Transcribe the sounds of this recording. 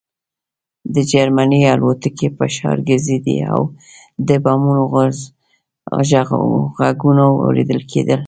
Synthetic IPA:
d̪əd͡ʒaɾmanialot̪əkepəʃɑ̰ɾɡəzid̪ḭa̰w | d̪əbɑmunoɣz | ʒaɣaɡunawa̰wɾḛd̪əlkʰed̪əl

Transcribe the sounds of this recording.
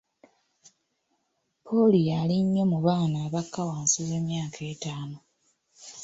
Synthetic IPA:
pʰolijaliɲːo̞muβaːnaːβakːawaːnsuβe̞mjaːkʰe̞ːtaːno

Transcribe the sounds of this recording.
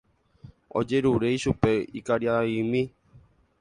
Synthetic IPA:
o̰d͡ʒeɾuɾeiʃupeikaɾjaimĩ

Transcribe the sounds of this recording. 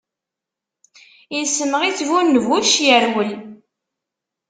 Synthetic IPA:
insənəʁit͡sːvunːəvuʃjəɾwəl

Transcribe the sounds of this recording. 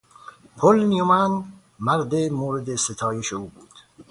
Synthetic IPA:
pʰolniomæn | mæɾd̪emoːɾed̪eset̪ʰɒːje̞ʃeuːbuːd̪̥

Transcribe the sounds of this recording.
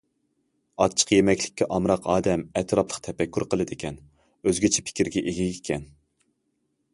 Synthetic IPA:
ɑt͡ʃʰə̥qjemɛkʲlɪkʲːɛʔɑmɾɑqʰɑːd̪ɛmɛt̪ʰɾɑplˠə̥qt̪ʰɛpɛkʲːyɾqəlˠɨd̪ekʲʰɛn | øzɡʲɪt͡ʃʰɛ̥pʰɪ̥kʲiɾɡʲɛʔeɡʲɛikʲʰɛn

